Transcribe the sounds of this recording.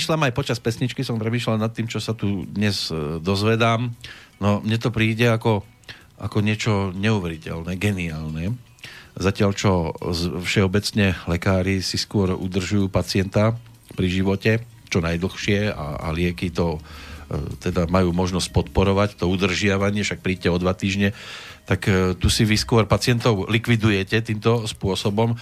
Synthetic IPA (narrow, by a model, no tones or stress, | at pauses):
iʃlamajpɔt͡ʃaspɛsɲit͡ʃkisɔmpɾɛmiːʃlalnat̪ːiːmt͡ʃɔsat̪ud̪ɲɛzd̪ɔzʋɛd̪aːmnɔmɲɛt̪ɔpɾiːɟɛakɔ | ʔakɔɲɪɛt͡ʃɔɲɛuʋɛɾicɛ̰lnɛɡɛniaːlnɛ | zacɪalt͡ʃɔzfʃɛɔbɛt͡sɲɛlɛkaːɾisiskʊɔɾṵd̪r̩ʒujuːpat͡sɪɛnt̪a | pɾiʒiʋɔcɛ | t͡ʃɔnajd̪l̩xʃɪɛa̰a̰lɪɛkit̪ɔ | t̪ɛd̪amajuːmɔʒnɔsc̚pɔt̪pɔɾɔʋact̪ɔud̪r̩ʒɪaʋaɲɪɛfʃak̚pɾiːcɛɔd̪ʋat̪iːʒɲɛ | t̪akt̪usiʋiskʊɔɾpat͡sɪɛnt̪ɔʊlikʋid̪ujɛcɛt̪iːmt̪ɔspʊɔsɔbɔm